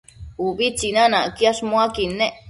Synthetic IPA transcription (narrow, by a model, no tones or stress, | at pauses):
ubit͡ʃinanaʔkiasmoakinːeʔ